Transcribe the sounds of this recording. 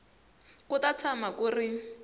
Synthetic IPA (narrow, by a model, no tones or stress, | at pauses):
kutat͡sʰamakuːri